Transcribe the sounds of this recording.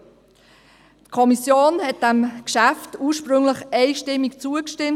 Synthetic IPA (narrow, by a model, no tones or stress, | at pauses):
tkʰɔmisjoːnhɛt̚d̥æmkʃæftuːɾʃpɾʏŋləχɛɪʃtɪmːikt͡suəkʃtɪm